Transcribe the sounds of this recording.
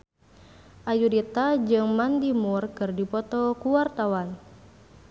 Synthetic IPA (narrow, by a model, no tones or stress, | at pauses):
ʔajudit̪ad͡ʒɨŋmand̪imurkɨrdipɔt̪ɔkuwart̪awan